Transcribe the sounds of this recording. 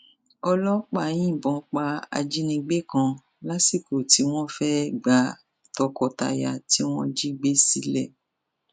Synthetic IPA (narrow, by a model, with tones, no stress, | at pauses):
ɔ˧lɔ˦k͡pa˨j̃ĩ˦˨bɔ̃˨˦k͡pa˧a̰˧d͡ʒi˦nĩ˧ɡ͡be˦kã˧ | la˦si˦˨ko˨ti˨˦w̃ɔ̃˦fɛ˦ɡ͡ba˨˦ | tɔ˧kɔ˧ta̰˧ja̰˧ti˦w̃ɔ̃˦d͡ʒi˦ɡ͡be˦si˨˦lɛ˦˨